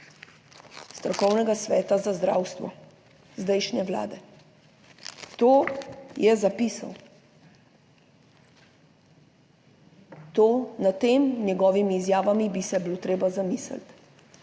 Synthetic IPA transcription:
st̪ɾɔkɔwnɛɡasʋɛːt̪azazd̪ɾa̰ːwst̪ʋɔ̰ | zd̪ɛjʃnɛʋla̰ːd̪ɛ | t̪oːjɛzapiːsa̰w | t̪oːnat̪eːmnɛɡɔːʋimiːzjaːʋamibisɛblot̪ɾeːbazamiːsə̰lt̪

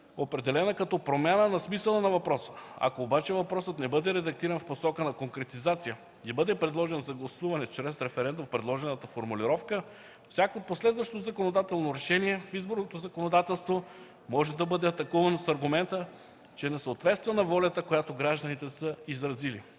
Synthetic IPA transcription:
opɾɛd̪ɛlɛnəkɐt̪ɔpɾomʲjanənɐsmisəlˠənɐvɐpɾɔsə̥ɐ̰koːbat͡ʃɛvɐpɾɔsət̪nɛbɤd̪ɛɾɛd̪ɐk̚t̪iɾɐnfposɔkənɐkoŋkɾɛt̪izat̪sijə | ɡʲibɤd̪ɛpɾɛd̪lˠɔʒɛnzɐɡlˠɐsuvɐnɛt͡ʃɾɛsɾɛfɛɾɛnd̪umfpɾɛd̪lˠɔʒɛnət̪əfoɾmuliɾɔfkə | fsʲakoːt̪̚poslɛd̪vɐʃt̪ozɐkonod̪at̪ɛlˠnoɾɛʃɛniɛfizboɾnot̪ozɐkonod̪at̪ɛlˠst̪vo | mɔʒɛd̪ɐbɤd̪ɛɐt̪ɐkɔvɐnosɐɾɡʊmɛnt̪ə | t͡ʃɛnɛsəot̪vɛt̪st̪vɛnɐvɔlʲɐt̪əkojat̪oɡɾaʒd̪ənit̪ɛsəizɾɐzili

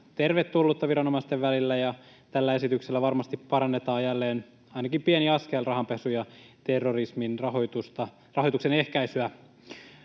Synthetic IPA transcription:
t̪erʋet̪ːulːut̪ːɑʋiɾɑnomɑst̪eʋʋælilːæjɑ | t̪ælːæe̞sit̪ykselːæʋɑrmɑst̪ippɑɾɑnːet̪ɑːjælːeːn | ɑinɑkimpieniɑskelrɑhɑmpesujɑt̪erːorisminrɑɦot̪ust̪ɑ | rɑɦo̞jt̪uksene̞hkæisyæ

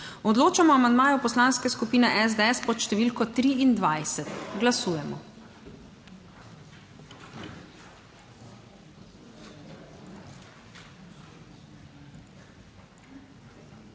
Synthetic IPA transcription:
ɔd̪loːt͡ʃamɔamand̪maːjɔpɔslaːnskɛskupiːnɛʔɛzd̪ɛɛspɔt̪ʃt̪ɛʋiːlkɔt̪ɾiːnd̪ʋajsɛt̪ɡlasuːjɛmɔ

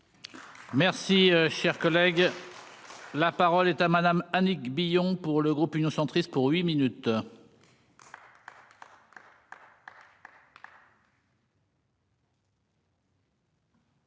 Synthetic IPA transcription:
mɛʁsiøʃɛʁkɔlɛɡ | lapaʁɔlɛt̪amad̪amanikbijɔ̃puʁləɡʁupynjɔ̃sɑ̃t̪χist̪̚puʁɥiminyt̪

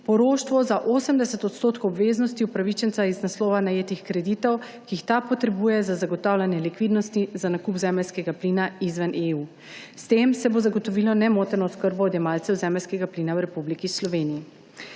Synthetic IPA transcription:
pɔɾoːʃt̪ʋɔzaʔoːsəmd̪ɛsɛt̪ɔt̪st̪oːt̪kowɔbʋeːznɔst̪iupɾaʋit͡ʃɛnt̪saiznaslɔːʋanajeːt̪ixkɾɛd̪it̪ɔw | kiːxt̪apɔt̪ɾɛbuːjɛzazaɡɔt̪awlʲanjɛlikʋid̪nɔst̪izanakupzɛmɛlʲskɛɡapliːnaizʋanʔeuː | st̪emsɛbozaɡɔt̪ɔʋilɔnɛmot̪ɛnɔskəɾbɔːd̪jɛmalt̪sɛwzɛmɛlʲskɛɡapliːnawɾɛpublikislɔʋeːnii

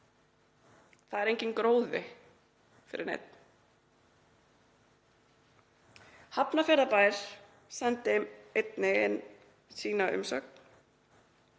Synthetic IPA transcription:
θaðɛɾejɲcɪnkɾoːwðɪ | fɪ̰ɾɪ̰ɾnḛjt̪̚n | hapnafjɛɾðapaːjɾ̥ | sant̪ɪmejt̪nɪɪn | siːnaʏ̰msœ̰k̚n̥

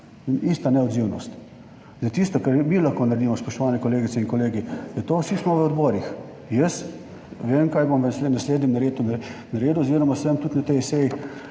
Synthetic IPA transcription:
nist̪anɛɔd̪ziwnɔ̰st̪ | zd̪at̪ist̪ɔkɛɾmilaxkoːnaɾed̪iːmɔspɔʃt̪ɔʋaːnɛkoɔleːɡitt͡s̪ɛiŋkɔleːɡijɛt̪oːsismɔʋəɔd̪bɔːɾix | jəs | ʋeːmkajbomʋəsenasleːd̪nʲɛmnaɾeːd̪unnaɾeːd̪uziɾamasəmt̪ut̪nat̪ɛjsɛji

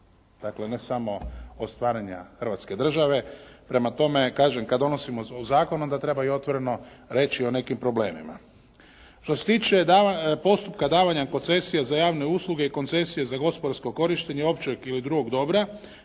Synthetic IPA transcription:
d̪̥akle̞ne̞samo̞ost̪ʋaːɾaɲa̰xəɾr̩ʋat̪sked̪r̩ʒaʋe̞pɾe̞mat̪o̞me̞kaːʒemkad̪o̞no̞simoozaːkonond̪at̪ɾe̞baio̞t̪ʋo̞ɾe̞no̞ɾe̞ːt͡ʃio̞ne̞kimpɾo̞ble̞ːmima̰ | ʃt̪ose̞̥t̪iːt͡ʃe̞d̪apo̞st̪upkad̪aːʋaɲako̞nt̪se̞sijazajaːʋne̞uːslˠuɡe̞iko̞nse̞sije̞zaɡo̞spod̪aɾsko̞ko̞ɾiʃt̪eɲeo̞pt͡ʃeɡilid̪ɾuɡo̞ɡd̪o̞bɾa

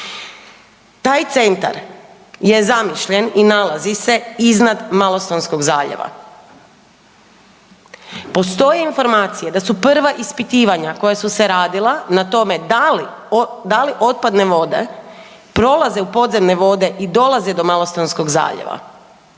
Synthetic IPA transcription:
t̪aːjt̪se̞nt̪a̰ɾ | je̞zamiʃʎeninalazise̞iznad̪malˠost̪onsko̞ɡzaːʎḛʋa̰ | po̞st̪o̞jeinfo̞ɾmaːt̪sije̞d̪asupr̩ʋaʔispit̪iːʋaɲako̞jasuseɾaːd̪ilˠanat̪o̞me̞li | d̪aliʔo̞t̪̚pad̪ne̞ʋo̞d̪e̞̰ | pɾo̞lˠazeupo̞d̪ze̞mne̞ʋo̞d̪e̞ʔid̪o̞lˠazed̪o̞malˠost̪onsko̞ɡza̰ːʎḛʋa̰

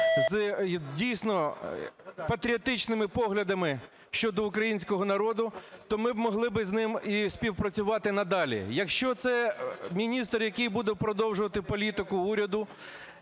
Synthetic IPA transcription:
zdʲijsʲnɔ | pɐt̪ɾʲiɔt̪ɪt͡ʃnɪmɪpɔɦlʲɐd̪ɐmɪ | ʃt͡ʃɔd̪ɔʊkɾɐjinʲsʲkɔɦɔnɐɾɔd̪ʊt̪ɔmɪbmɔɦlˠɪbɪznɪmisʲpʲiwpɾɐt͡sʲʊʋɑt̪ɪnɐd̪ɑlʲḭjɐkʃt͡ʃɔt̪sɛmʲinʲist̪rjɐkɪjbud̪ɛpɾɔd̪ɔwʒʊʋɐt̪ɪpɔlʲit̪ɪkʊuɾʲɐd̪ʊ

